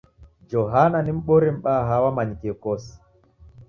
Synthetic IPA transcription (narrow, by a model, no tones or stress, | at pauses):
d͡ʒoɦananimɓoɾimɓaɦawamaɲkekɔs